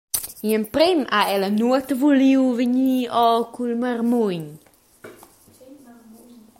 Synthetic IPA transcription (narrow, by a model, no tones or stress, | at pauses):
iəmpɾemaɛlənuət̪əvuliwvəɲiɔkulmaɾmuɲ